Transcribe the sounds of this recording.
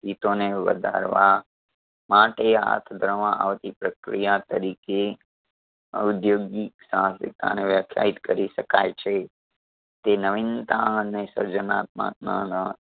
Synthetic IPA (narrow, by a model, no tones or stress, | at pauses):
it̪oneʋə̰d̪ʱa̰ɾʋa | maʈea̰t̪ʰd̪ʱɾəmãʔa̰ʋt̪ipɾəkɾijat̪əɾike | əud̪joɡiksãsḭkt̪a̰neʋjəkʰja̰ɦit̪kəɾiʃəkajt͡ʃʰe | t̪enəʋɪnt̪aənesə̰ɾd͡ʒənat̪̚mã̰t̪̚na̰nə